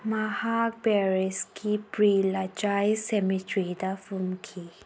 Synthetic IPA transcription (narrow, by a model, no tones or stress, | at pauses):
mahak̚bɛɹiskʰipɾilat͡ʃajsɛmitɾidafumkʰi